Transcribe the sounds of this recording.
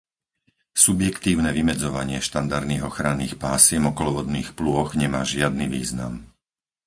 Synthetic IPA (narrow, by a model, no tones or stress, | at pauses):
subjɛkt̪iːʊnɛʋimɛd͡zɔʋaɲɪɛʃt̪and̪aɾd̪niːɣɔxɾanːiːxpaːsɪɛmɔkɔlɔʋɔd̪niːxplʊɔɣɲɛmaːʒɪad̪niʋiːzna̰m